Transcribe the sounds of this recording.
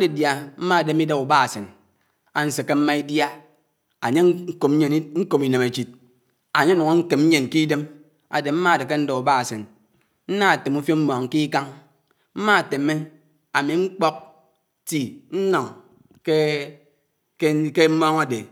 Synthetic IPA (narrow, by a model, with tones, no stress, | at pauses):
de˨dja˨m̩˦ma˦˨de˦m˦i˦de˦ku˨ba˦a˨se˨n | a˨n̩˨˦se˨kːe˦m̩˦ma˦i˦dja˦ | a˨ɲe˦ŋ̩˦ko˨m˦ɲe˨n˦ŋ̩˦ko˦˨mi˨ne˨me˨t͡ʃi˨t̚ | a˨ɲe˦nɔ˨ŋo˦ŋ̩˦ke˨m̩˦ɲe˨nki˦de˦m | a̰˨de˨m̩˦ma˦a˨de˨ke˦n̩˦do˨u˨ba˦a˨se˨n | n̩˦na˦˨te˨mu˦fjo˦m̩˦mɔ˨ŋ̩˨ki˦ka˦ŋ | m̩˦ma˦˨te˨me˦ | a˨mi˨ŋ͡m̩˦k͡pɔ˦k̚ | ti˨n̩˦nɔ˨ŋ | ke˦ | kke˦m̩˦mɔ˦ŋa˨de˨